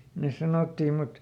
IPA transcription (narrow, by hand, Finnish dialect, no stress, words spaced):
nes sɑnotːiː mut